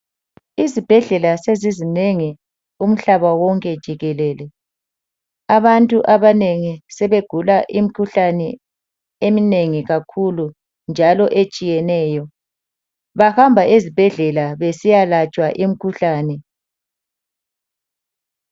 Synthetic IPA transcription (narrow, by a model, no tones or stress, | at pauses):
izib̥ʱɛɮɛlasezizineŋi | um̩ɬaβawɔŋkʼɛd̥ʒ̥ʱiɣɛlɛːlɛ | aβantʼuʔaβaneŋisɛβeɡ̥ʱulaʔim̩kʰuɬanɛ | emineŋiɣakʰulu | nd͡ʒʱalɔʔet͡ʃʼijɛnɛːjɔ | βahambʱaezib̥ʱɛɮɛlaβesijalat͡ʃʼwaʔim̩kʰuɬaːnɛ